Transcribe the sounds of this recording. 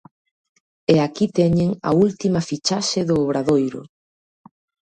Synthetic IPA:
eakit̪ɛɲeŋɐ̰ult̪imɐfit͡ʃaʃeðʊːβɾaðojɾʊ̰

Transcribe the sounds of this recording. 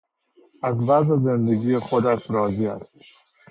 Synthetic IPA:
æzvæzezend̪eɡiːjexod̪æʃɾɒːziːæ̰st̪

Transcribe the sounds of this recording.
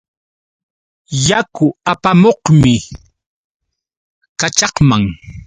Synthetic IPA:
jakʊapamoqmɪ | kat͡ʃɑqmaŋ

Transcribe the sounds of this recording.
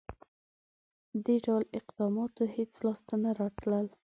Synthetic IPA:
d̪eɖawlɪqd̪ɑmɑt̪ohet͡slɑst̪anaɾɑʈ̪ləl

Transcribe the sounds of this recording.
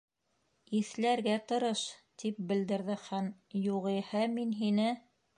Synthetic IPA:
iθlæɾɡæt̪ɤ̆ɾɤʃt̪ip̚bɘ̆ld̪ɘ̆ɾðɘχæm | juʁɤjhɤminɦinɘ

